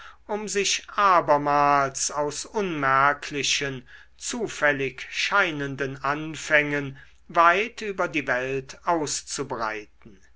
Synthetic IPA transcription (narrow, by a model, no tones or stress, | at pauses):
ʔʊmzɪʃʔaːbɐmaːlsaʊsʊnmɛɐkʰlɪʃən | t͡suːfɛlɪkʃaɪnəndənʔanfɛŋən | vaɪtyːbɐdiːvɛltʰaʊst͡subʁa̰ɪtn̩